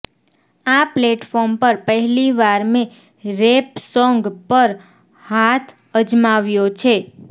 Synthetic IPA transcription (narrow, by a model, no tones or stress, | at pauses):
apleʈfɔɾmpəɾpəɦɛliʋaɾmẽ | ɾepsɔŋɡpəɾ | hat̪ʰ | əd͡ʒmaʋjot͡ʃʰe